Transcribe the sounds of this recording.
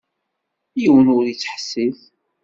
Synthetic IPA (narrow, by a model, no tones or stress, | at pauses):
jəwənʊɾjət͡sːħsiθ